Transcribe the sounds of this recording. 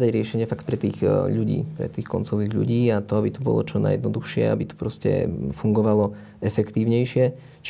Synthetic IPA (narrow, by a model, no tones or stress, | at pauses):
d̪aɟɾɪɛʃɛɲɪɛfakt̪̚pɾɛt̪iːɣʎuɟḭːpɾɛ̰t̪iːxkɔnt͡sɔʋiːɣʎṵɟiːat̪ɔabit̪ɔbɔ̰lɔ̰t͡ʃɔna̰jɛd̪nɔd̪uxʃɪɛ̰a̰bit̪ɔ̥pɾɔscɛ̰fuŋɡɔʋalɔ | ɛfɛkt̪iːʊɲɛjʃɪɛ | t͡ʃ